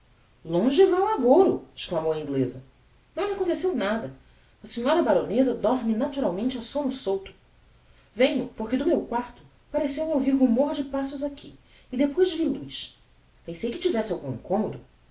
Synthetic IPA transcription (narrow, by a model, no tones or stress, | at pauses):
lõʒɪvaw̃aɡowɾʊɪ̥ʃklamowɐĩɡlezɐ | nɐ̃w̃ɪakõnt̪esewnad̪ɐ | ɐsẽɲɔɾɐbaɾõnezɐd̪ɔɾmɪnat̪uɾawmẽnt͡ʃɪasõnʊsowt̪ʊ̥ | vẽɲʊpoɾked̪ʊmewkwaɾt̪ʊ̥ | paɾesew̃owviɾɦumoɾd͡ʒɪpasʊzakʰi | ɪd̪epojʒvilujs | pẽj̃sejkɪt͡ʃivɛsɪawɡũḭ̃ŋkõmod̪ʊ